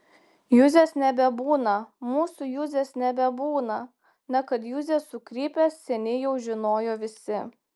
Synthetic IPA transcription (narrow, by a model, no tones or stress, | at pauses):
jʊzʲeːsnʲɛbʲɛbuːnɐmuːsʊjʊzʲeːsnʲɛbʲɛbuːnɐ | nʲɐkɐt̪jʊzʲesʊkɾʲiːpʲeːssʲɛnʲɪjɛʊʒʲɪnoːjoːʋʲɪsʲɪ